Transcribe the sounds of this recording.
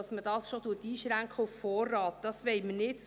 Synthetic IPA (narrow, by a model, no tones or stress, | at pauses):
ɑsmədɑːsʃod̥̪utiːʃɾæŋkχəuffɔːrːɑːt̪d̪̥ɑsʋɛɪmənɪt